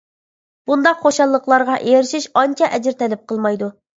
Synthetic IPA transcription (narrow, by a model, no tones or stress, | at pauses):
b̥und̪ɑqχoʃɑlˠːəqlˠɑɾʁɑʔejeɾɪʃiʃɑnt͡ʃʰɑʔɛd͡ʒɪɾt̪ʰɛlɪp̚qʰəlˠmɑjd̪u